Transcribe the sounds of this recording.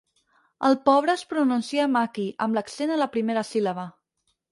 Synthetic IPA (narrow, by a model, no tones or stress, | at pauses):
əlˠpɔβ̞ɾəːspɾununsiəmakiʔəmləksenələpɾimeɾəsiləβə